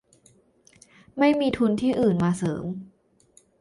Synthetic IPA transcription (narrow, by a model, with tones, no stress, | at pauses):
ma˥˩jmiː˧t̪ʰu˧nt̪ʰiː˥˩ʔɯː˨˩nmaː˧sɤː˩˦m